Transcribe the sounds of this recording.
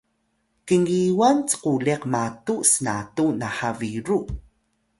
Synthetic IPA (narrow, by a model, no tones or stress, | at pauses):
kəŋiwant͡sə̥qulɛqmatusəna̰tunaħaviɾu